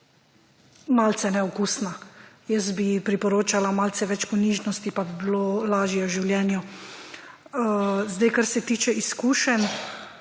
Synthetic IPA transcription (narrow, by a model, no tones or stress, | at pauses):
malt̪sɛnɛɔkuːsna | jəsbipɾipɔɾoːt͡ʃalamaːlsɛʋɛt͡ʃpɔniːʒnɔst̪ipabibilolaːʒjɛwʒiwljɛːnju | zd̪ajkaɾsɛt̪iːt͡ʃɛʔiskuːʃɛn